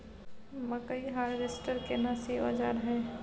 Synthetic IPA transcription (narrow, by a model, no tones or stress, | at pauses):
mɐkəiɦaːɾʋesʈəɾkenaːsiɔ̰ːd͡ʒa̰ːɾɦɛ̃ː